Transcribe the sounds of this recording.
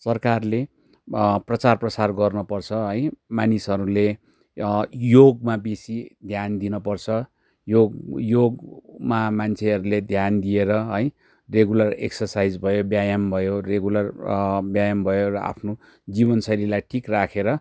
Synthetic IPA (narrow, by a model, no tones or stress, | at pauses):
sʌrkarle | prʌt͡sarprʌsarɡʌrnʌpʌrt͡sʰʌɦʌjmanisʌɾule | joɡmabesid̪ʱjand̪inʌpʌrt͡sʰʌ | joɡjoɡmamant͡sʰeɦʌɾuled̪ʱjand̪ieɾʌɦʌj | reɡulʌrḛksʌrsajd͡zbʱʌjobjajʌmbʱʌjoreɡulʌrbjajʌmbʱʌjorʌa̰pʰno | d͡zibʌnsʌɾilajʈʰikrakʰeɾʌ